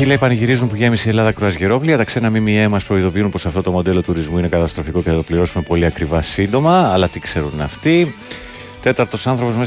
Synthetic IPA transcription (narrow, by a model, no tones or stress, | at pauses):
ilɐepɐnʝiɾizunpuʝe̞misie̞lɐðɐkɾoɐzʝeɾo̞pliɐt̪ɐkse̞nɐmimiemɐspɾo̞iðo̞piunpo̞sɐft̪o̞t̪o̞mo̞d̪e̞lo̞t̪uɾizmuine̞kɐt̪ɐst̪ɾo̞fiko̞ceθɐt̪o̞pliɾo̞sume̞po̞liɐkɾivɐsind̪o̞mɐːlɐt̪ikse̞ɾunɐ̰ft̪i | t̪e̞t̪ɐɾt̪o̞sɐnθɾo̞po̞zme